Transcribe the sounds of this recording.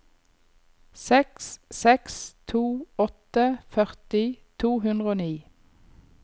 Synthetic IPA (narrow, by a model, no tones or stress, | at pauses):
sɛkssɛkst̪ʰuːɔt̪əfœʁt̪ɪt̪ʰuːhʉnd̪ʁəoːniː